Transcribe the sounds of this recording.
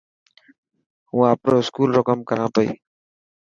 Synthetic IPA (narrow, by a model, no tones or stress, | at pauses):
ũãːpɾoːskuːlɾokəmkəɾãːpəḭ